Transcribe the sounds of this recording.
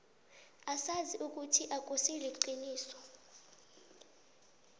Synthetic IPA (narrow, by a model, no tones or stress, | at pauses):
asaziʔuk̬ʼutʰiʔak̬ʼosileǃiniːsɔ̥